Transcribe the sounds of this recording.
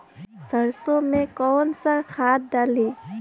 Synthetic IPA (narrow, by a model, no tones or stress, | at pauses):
səɾsõmẽkɔːnsakʰaːt̪̚d̪aːliː